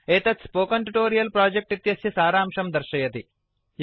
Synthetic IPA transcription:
eːt̪ɐspoːkɐɳʈuʈoːɾijɐlpɾaːd͡ʒek̚ʈit̪jɐsjɐsaːɾaːmʂɐmd̪ɐɾʃɐjɐt̪i | j

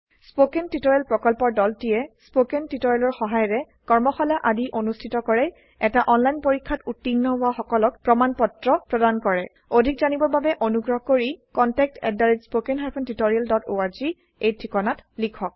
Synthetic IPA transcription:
spokentitoɹialpɹɔkɔlpɔɹdɔltijɛspokentitoɹialɔɹxɔɦajɔɹɛ | kɔɹmɔxɔlaʔadiʔonustʰitɔkɔɹɛ | ɛtaʔɔnlajnpoɹikʰːatutːinːɔbʊaxɔkɔlɔk̚pɹɔmanpɔtɹɔpɹɔdankɔɹɛ | odʱik̚zanibɔɹbabɛʔonuɡɹɔɦɔkoɹikɔntɛk̚tɛ̰daɹitspokɛnɦajpʰɔntitoɹialdɔtoaɹzi | ejtʰɹikɔnatlikʰɔk̚

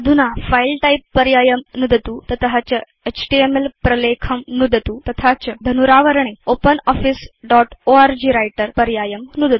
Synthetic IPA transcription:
d̪ʱunafailʈaipːəɾjajəmnud̪t̪ut̪ət̪ɦat͡ɕə | et͡ɕʈiemelpɾɐlekʰəmnud̪ʱət̪ut̪ɐt̪ʰat͡ɕəd̪ʱənuɾaʋəɾɳ̃eopənɔfisɖɔʈoaɾd͡ʑiːɾajʈəɾpəɾjajəmnud̪ʱət̪u̥

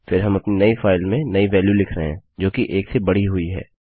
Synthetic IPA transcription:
fɪɾɦɐmɐpninɐifaːɪlmẽnɐiʋɛːljulɪkʰɾɐɦɛ̃ːd͡ʒoːkiʔeːksebɐɽ̤iɦʊiɦɛ̰ː

